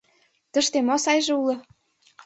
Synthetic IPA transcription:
t̪ə̆ʃt̪emosɑjʒĕulɤ̆

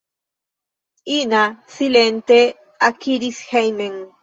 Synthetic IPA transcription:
inasilent̪e | akiɾishajneŋ

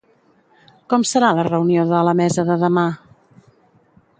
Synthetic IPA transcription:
kɔmsəɾalərəunioðələmɛzəðəðəma

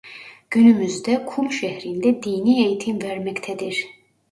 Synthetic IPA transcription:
ɟ̥ynymyzd̪ɛkʰumʃɛhɾind̪ɛd̪ijniejt̪ʰimvɛɾmɛct̪ʰɛd̪iɾ̥

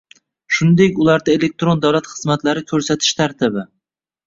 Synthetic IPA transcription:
ʃʊnd̪ekʲʊlaɾd̪aelek̚t̪ɾond̪awlat̪χɨzmat̪ʰlaɾɪkʲʰɵɾsat̪ʰɪ̥ʃt̪ʰaɾt̪ʰɪbɪ

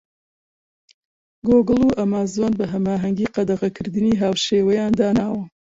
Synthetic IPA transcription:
ɡoɡɨlˠuːʔɐmaːzonbɐɦɐmaːɦɐŋɡiːqɑd̪ɐʁɐkʰɨɾd̪ɨniːɦaːwʃeːwɐjaːnd̪aːnaːwɐ

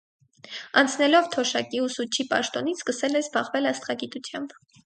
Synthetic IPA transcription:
ɑnt͡sʰnɛlɔvt̪ʰɔʃɑkiusut͡ʃʰipɑ̰ʃt̪ɔn̪it͡sʰskəsɛlɛsbɑʁvɛlɑst̪χɑɡit̪ut͡sʰjɑmb

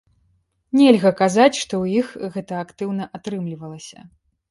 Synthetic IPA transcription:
nʲɛlʲɣɐkazat͡sʲʂt̪ɔwjixɣɛt̪ɐakt̪ɨwn̪ɐʔat̪ɾɨmlʲivɐlˠɐsʲɐ̰

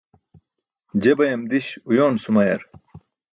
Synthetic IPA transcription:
d͡ʑebɐjɐmd̪iɕujoːnsumɐjɐ̰ɾ

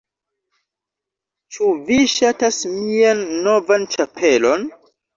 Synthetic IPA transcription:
t͡ʃuviʃatasmianːo̞vant͡ʃapʰe̞lo̞n

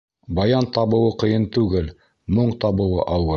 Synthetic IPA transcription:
bɑjɑnt̪ɑβɤ̆wɤqɤ̆jɤnt̪ʉɡɘl | moɴt̪ɑβɤ̆wɤ̰ʔɑwɤ

